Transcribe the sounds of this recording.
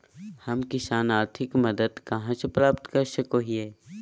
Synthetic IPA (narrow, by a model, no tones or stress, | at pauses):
hɐmkɪsaːnaːɾt̪ʰɪkmɐd̪əd̪kɐɦãt͡ʃepɾaːpt̪kɐɾʃəkoːɦiɦɛː